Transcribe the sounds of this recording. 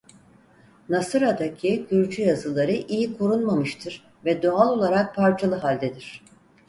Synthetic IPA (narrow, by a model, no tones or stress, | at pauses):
nasɯɾad̪acʰiɟyɾd͡ʒyjazɯlˠaɾɯʔijikʰo̞ɾunmamɯʃt̪ʰɯɾ̥ | vɛd̪oalˠo̞lˠaɾak̚pʰaɾt͡ʃʰalˠɯɦalʲd̪ed̪iɾ̝̥